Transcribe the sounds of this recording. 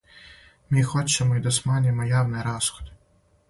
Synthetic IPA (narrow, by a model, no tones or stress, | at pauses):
mʲixɔt͡ʃːɛmɔjd̪ɔsmɑnʲimɔjɑwnɪɾɑsxɔ̥d̪